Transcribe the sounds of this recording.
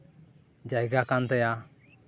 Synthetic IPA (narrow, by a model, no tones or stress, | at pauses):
d͡ʒajɡakant̪aja